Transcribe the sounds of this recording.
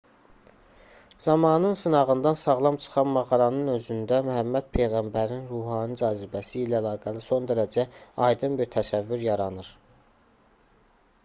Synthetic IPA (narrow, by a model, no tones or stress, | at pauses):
z̥ɑmɑːnɯnsɯnɑʁɯnd̪ɑnsɑʁlˠɑmt͡ʃʰɯ̥χɑnmɑʁɑɾɑnɯnø̞zynd̪æmyhæmːæd̪̥̚pʰe̞jɣæmbæɾinɾuɦɑːnid͡ʒɑːzibæsiːlæælˠɑːɡæliso̞nd̪æɾæd͡ʒæɑjd̪ɯnbiɾt̪ʰæsævːyɾjɑɾɑnɯɾ